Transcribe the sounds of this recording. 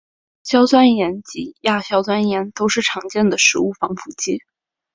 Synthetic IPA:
ɕjɑ˥ʊt͡swa˥njɛ˧˥nt͡ɕi˧˥ja˥˩ɕjɑ˥ʊt͡swa˥njɛ˧˥nt̪o˥ʊʂɻ̩˥˩ʈ͡ʂʰɑ˧˥ŋt͡ɕjɛ˥˩nd̪ə˩ʂɻ̩˧˥u˥˩fɑ˧˥ŋfu˧˩t͡ɕi˥

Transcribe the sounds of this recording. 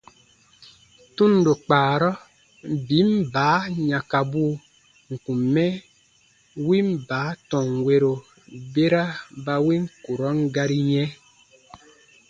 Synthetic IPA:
tũ˦n˨do˨k͡paː˨ɾɔ˦ | bi˨˦m˦baː˨˦ɲã˨ka˨buː˦ | ŋ̩˨kũ˨mːɛ˦ | wi˦m˦baː˨˦tɔ̃˨ŋwe˦ɾo˨ | be˦ɾa˦ba˦wi˦ŋ̩˦ku˨ɾɔ˦ŋ˦ɡa˦ɾi˦ɲɛ̃˦

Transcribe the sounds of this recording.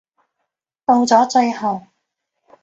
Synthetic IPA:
t̪o˧wt͡sɔː˨˥t͡ʃɵ˧ɥhɐ˨w

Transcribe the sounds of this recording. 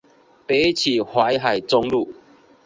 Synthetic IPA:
pe˨˦t͡ɕʰi˨˩hwa˨˦jɦa˨˩jt͡sɔ˧ŋlu˥˧˨

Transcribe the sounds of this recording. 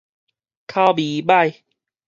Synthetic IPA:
kʰa˧bi˨˦ba˥˨j

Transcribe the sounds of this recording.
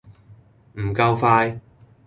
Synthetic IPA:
m̩˨˩kɐ˧wfaː˧j

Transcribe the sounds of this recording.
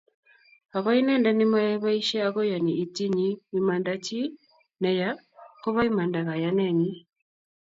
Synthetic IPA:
a˨βa˦i˦nɛ˦nda˦ni˦ma˦jɛ˦βa˦i˦ʃɛ˦a˦ɣɔ˦ja˨ni˨i˨ti˦ɲi˦ni˨ma˨nda˦ci˦ | nɛ˨ja˦ | kɔ˦βa˦i˦ma˨nda˨ɣa˨ja˨nɛ˦˨ɲi˦

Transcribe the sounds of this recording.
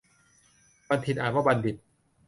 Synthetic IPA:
ba˧nt̪ʰi˨˩t̪ʔaː˨˩waː˥˩ba˧ndi˨˩t̪̚

